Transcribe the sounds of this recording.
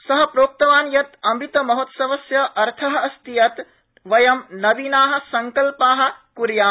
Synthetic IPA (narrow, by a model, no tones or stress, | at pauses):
sɐɦɐpɾoːk̚t̪ɐʋaːnjɐt̪ɐmit̪ɐmɐɦot̪sɐʋɐsjɐʔɐɾt̪ʰɐɦɐɐst̪ijɐt̪ | ʋɐjɐmnɐbinaːɦɐ̆sɐŋkɐlpaːɦɐ̆kuɾjaː